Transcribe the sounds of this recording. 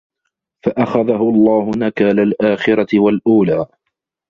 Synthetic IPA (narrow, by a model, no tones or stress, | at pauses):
faʔaxaðaɦʊɑlˤːɑːhʊnakaːlalʔaːxɪɾˤɑt̪ɪwalʔuːlaː